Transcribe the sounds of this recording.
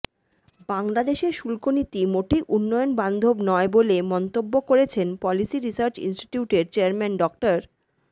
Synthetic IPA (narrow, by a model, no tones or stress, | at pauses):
baŋlad̪eʃeɾʃulkonit̪imoʈiʔunːɔjonband̪ʱobnɔebolemɔnt̪obːokoɾet͡ɕʰenpɔlisiɾisaɾt͡ɕḭnsʈi̥ʈiuʈeɾt͡ɕeaɾmɛnɖɔk̚ʈaɾ